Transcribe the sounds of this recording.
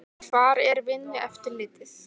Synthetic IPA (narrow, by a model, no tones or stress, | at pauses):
kʰv̥aɾɛɾvɪnːʏʔɛft̪ɪɾlɪːt̪ɪθ